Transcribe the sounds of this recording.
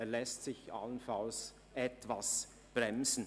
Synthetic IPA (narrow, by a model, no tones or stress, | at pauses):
ɛɐlɛstsɪça̰lənfals | ʔɛtvas | b̥ʁɛmzn̩